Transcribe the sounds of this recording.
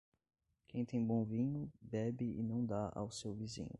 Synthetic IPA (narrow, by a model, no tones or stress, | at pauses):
kʰẽj̃t̪ẽj̃bõw̃vĩɲʊbɛbɪɪ̰nɐ̃w̃d̪aʔa̰wsewvizḭ̃ɲʊ